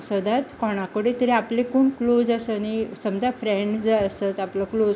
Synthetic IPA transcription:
səd̪at͡skɔɽ̃akəɽit̪əɾiaplekoːɳklod͡zasənisəmd͡zafɾɛ̃ɳɖd͡zəəsət̪apləklo

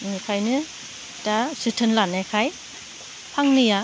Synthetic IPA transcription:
nɯkʰajnɯ | tasɯtʰɯnlanakʰaj | pʰaŋnɯja

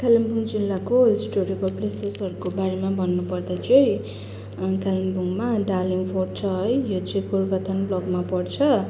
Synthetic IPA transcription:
kalʌmbʱuŋd͡zilːakosʈoɾikʌlplesesɦʌɾukobaɾemabʱʌnːupʌrd̪at͡sʌĩ | kalʌmbuŋmaɖaliŋpʰort͡sʰʌɦʌjjot͡sʌĩkurɡʌt̪ʰʌnblʌɡmapʌrt͡sʰʌ

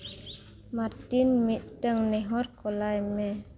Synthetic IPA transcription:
martinmit̪̚dəŋnɛɦɔtkolajmɛ

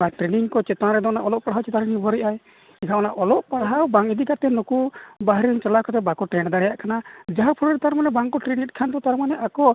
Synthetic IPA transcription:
aʈɾeniŋkɔt͡ʃɛt̪aɾɛd̪ɔnaʔɔlɔʔ̚paɽɦawt͡ʃɛt̪ãɾɛnibʱɔɾiʔaj | ɛkʰaɔnaʔɔlɔʔpaɽɦawbaŋid̪ikat̪ɛnokubaɦɾiŋt͡ʃalakɔt̪̬ɛbakɔʈɾɛnd̪aɽɛjaʔkanad͡ʒaɦapʰɔɽɔɾɛt̪aɾmanɛbaŋkɔʈɾenit̪̚ˀkʰant̪ɔt̪aɾmanɛʔakɔ

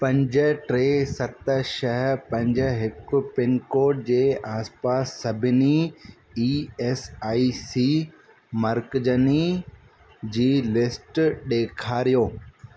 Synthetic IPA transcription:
pɐ̃ɲd͡ʑəʈɾeːsɐt̪ʃɐɦpɐ̃ɲd͡ʑəɦɪkʊpɪnkoːʈ̚d͡ʑeːʔaːspaːsːɐbʱɪni | iːɛsaːisiː | mɐɾkd͡ʑəni | d͡ʑiːlɪsʈɗeːkʰaːɾijoː

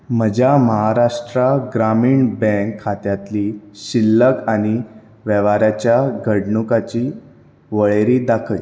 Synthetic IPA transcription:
m̤əd͡ʑʱjaməɦaɾaʂʈɾaɡɾamiːɳbɛ̃ŋkʰːat̪jat̪liːɕilːəkaɽ̃i | ʋəʋaɾjat͡ɕjaɡʱəɽɳukat͡ɕiː | ʋəɭeɾiːd̪akʰəj

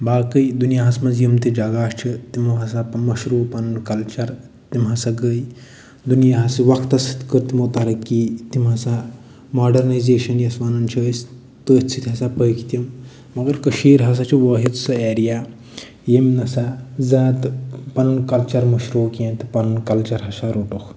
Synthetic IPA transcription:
baːkəjd̪unijaɦɐsmɐzjimt̪id͡ʒɐɡaːʃt͡ʃʰit̪imɐɦɐsamɐʃɾuːpɐnnkɐlt͡ʃɐɾ | t̪imɦɐsaɡəj | d̪unijaɦɐsiʋɐkt̪ɐsit̪ʰkəɾt̪imot̪ɐɾɐkːiːt̪imɦɐsa | maːɖɐɾnɐjzeːʃɐnjɐsʋɐnɐnt͡ʃʰɐs | t̪ət͡sʰit̪ʲɦɐsapəjkʰt̪ʲjɐm | mɐɡɐɾkɐʃiːɾɦɐs̬at͡ʃʰiʋɐːɦit͡ssɨeːɾijaː | jemnɐsazaːt̪pɐnnkɐlt͡ʃɐɾmɐʃɾoːkẽːnt̪ipɐnnkɐlt͡ʃɐɾɦɐsaɾoːʈukʰ

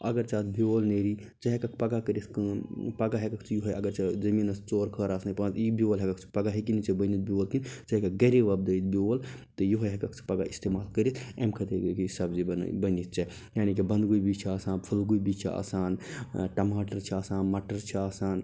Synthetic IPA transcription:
ɐ̰ɡɐɾt͡ʃaːt̪biolneɾi | t͡ʃɐɦekɐkʰpɐɡakəɾiskpɐɡaɦekɐkʰt͡ʃʰijuɦɐjɐɡəɾt͡ʃɐd͡ʒɐminɐst͡ʃoːɾkʰəɾasnɐpɐt̪ibiolɦekɐkt͡ʃʰi̥pɐɡaɦekinit͡ʃɐbənit̪̚biolkint͡ʃɐɦkɐk̚ɡɐɾeʋɐb̚d̪ɐjt̪̚bl | t̪ɐjuɦojɦekɐkʰt͡ʃʰi̥pɐɡaist̪emaːlkəɾit̪emkʰɐt̪ekkiisabd͡ʒin̰bənit̪̚t͡ʃʰɐ | jaːnikibɐnd̪ɡujbit͡ʃʰiaːsaːnpʰɐlɡujbit͡ʃʰia̰ːsaːnʈɐmaːʈəɾt͡ʃʰiaːsaːnmɐʈəɾt͡ʃʰiaːsaːn

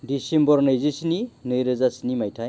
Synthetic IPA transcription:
disembɔɾnɯjzisininɯjɾɯzasinimajtʰaj

